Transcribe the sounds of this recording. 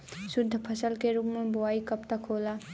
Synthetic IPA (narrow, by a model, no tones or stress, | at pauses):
sʊd̪ʱːəpʰəsəlkeɾuːpmẽbʊaːikəpt̪akʰoːla